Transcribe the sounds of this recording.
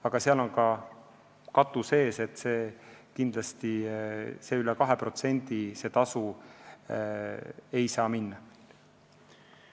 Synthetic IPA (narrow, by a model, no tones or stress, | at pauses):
ɑɡ̥ɑseɑlo̞nkɑ | kɑt̪ːˑuse̞ːse̞t̪ːseːkind̪lɑst̪ise̞ːylɛkɑɦe̞pro̞t̪se̞nʲd̪̥ise̞ːt̪ɑsu | e̞jsɑːminːɑ